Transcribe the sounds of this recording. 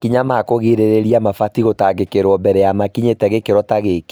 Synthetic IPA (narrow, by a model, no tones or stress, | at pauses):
kiɲamakoɣeɾeɾeɾiamafatiɣotaɡekeɾwɔbɛɾɛjamakiɲetɛɣekeɾɔtaɣeke̥